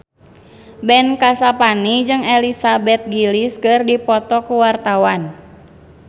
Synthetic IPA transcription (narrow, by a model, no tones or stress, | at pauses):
bɛnkasapanid͡ʒɨŋɛlisabɛt̪̚ɡiliskɨrdipɔt̪ɔkuwart̪awan